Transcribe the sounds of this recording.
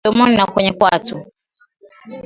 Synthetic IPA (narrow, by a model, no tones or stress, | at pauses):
ɔmɔninakwɛɲɛkwatu